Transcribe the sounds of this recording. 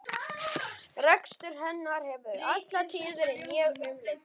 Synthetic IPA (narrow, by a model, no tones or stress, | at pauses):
rɛkst̪ʏɾ̥ɦɛnːaɾ̥hɛvʏɾat̪lat̪ʰɪːðɪɾɛnjɛɣɛmlɛ